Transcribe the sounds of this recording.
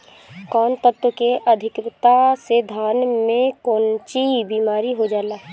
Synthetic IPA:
kɔːnt̪əb̚t̪wəkeʔəd̪ʱɪkɾt̪ased̪ʱaːnmẽkoːnt͡ʃibiːmaːɾiɦod͡ʒaːlaːɦ

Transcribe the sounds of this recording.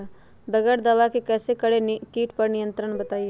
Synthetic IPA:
bɛɡəɽd̪ɐʋakekɛːsekəɽekiːʈpɐɾnɪjə̃nt̪ɾəɳbɐt̪aːie

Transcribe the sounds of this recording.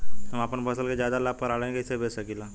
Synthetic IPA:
əmapənbəsəlked͡ʒjaːd̪alaːpɐɾaːlẽɡeɪsebesɐkilaː

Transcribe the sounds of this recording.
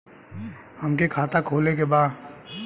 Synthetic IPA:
hɐmkekʰaːt̪akʰoːlek̬ebaːd̪

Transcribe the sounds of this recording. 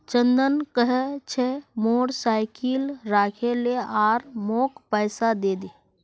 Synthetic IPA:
t͡ʃənd̪ənkəɦɛt͡ʃʰɛmoːɽsaːɪkɪlɾaːkʰeleaːɾmoːkpəːsad̪eːd̪eː

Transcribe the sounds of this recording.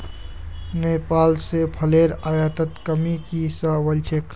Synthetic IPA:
neːpaːlsepʰəleːɾaːjaːt̪ət̪kəmikisaʋəlt͡ʃʰekʰ

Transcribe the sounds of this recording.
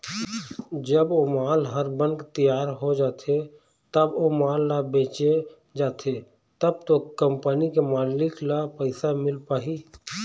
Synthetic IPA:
d͡ʒəbomaːlɦəɾbənkt̪ijaːɾɦod͡ʒaːt̪ʰe | t̪əbomaːlːabeːt͡ʃe | d͡ʒaːt̪ʰe | t̪əb̚t̪okəmpənikemaːlɪklapəɪsamɪlpaːɦi

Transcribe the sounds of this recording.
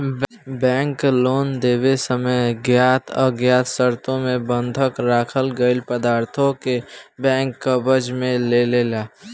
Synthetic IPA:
bɛ̃ːŋkloːnd̪eːbesəməjɡjaːt̪ʰə̰ɡjaːt̪səɾt̪õmẽbə̃nd̪ʱəkɾaːkʰəlɡəɪlpəd̪aːɾt̪ʰõkebɛ̃ːŋkːəbəd͡ʒmẽlelelaː

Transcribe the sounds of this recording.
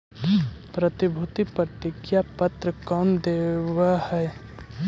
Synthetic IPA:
pɾɐt̪ɪbʱut̪ipɾət̪ɪkʰjapət̪ɾəkɔːnd̪ewahɛː

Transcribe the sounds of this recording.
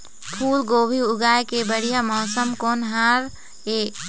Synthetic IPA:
pʰuːlɡoːbʱiʊɡaːjkebəɽijamɔːsəmkoːnɦaːɾ | eː

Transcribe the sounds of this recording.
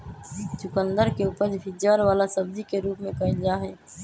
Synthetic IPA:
t͡ʃʊkə̃nd̪əɾkeuːpəɾd͡ʒbʱɪd͡ʒaːɾʋaːlasɐb̚d̪ikeɾuːpmẽkɐɦɪnd͡ʒaːɦɛː

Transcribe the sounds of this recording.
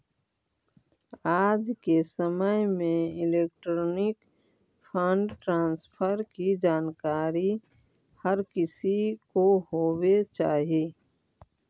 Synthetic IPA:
aːd͡ʒkesəməjmẽɪleːk̚ʈɾoːnɪk | pʰə̃ɳɖʈɾãːnspʰəɾkid͡ʒaːnkaːɾi | həɾkɪsikohoːwet͡ʃaːɦieː

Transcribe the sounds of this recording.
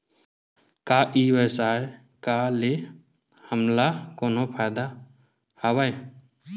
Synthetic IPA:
kaʔiːwəsae | kale | həmlakoːnopʰajd̪a | həwaj

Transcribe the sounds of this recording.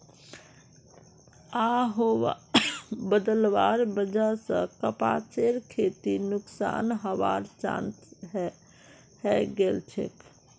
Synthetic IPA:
aɦoʋ | bəd̪əlʋaːɾbəd͡ʒasə̰̃kəpa̰t͡ʃeɾkʰet̪inʊksa̰nɦəʋa̰ɾt͡ʃã̰nt̪ | hɛɡelt͡ʃʰḛk

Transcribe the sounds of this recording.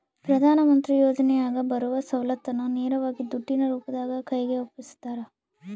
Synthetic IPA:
pɾɐd̪ʱaːnɐmɐnt̪ɾijoːd͡ʒɐnɛjaːɡɐbɐɾuʋɐsɐwlɐt̪ːɐnːuneːɾɐʋaːɡid̪uʈːinɐɾuːpɐd̪aːɡɐkɐjɡeopːisu̥t̪ːaːɾɐ

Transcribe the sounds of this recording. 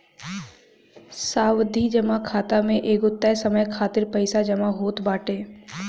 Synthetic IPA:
saːwd̪ʱid͡ʒɐmakʰaːt̪amẽʔeːɡʊt̪ːasɐməjkʰaːt̪ɪɾpəɪsad͡ʒɐmaɦoːt̪baːʈeː

